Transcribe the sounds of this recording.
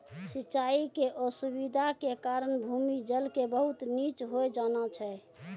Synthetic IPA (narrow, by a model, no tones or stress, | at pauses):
sitːt͡ʃaikeʔosubid̪ʱakekaɾənbʱumid͡ʒəlkebəɦut̪nit͡ʃɦoed͡ʒanat͡ʃʰɛ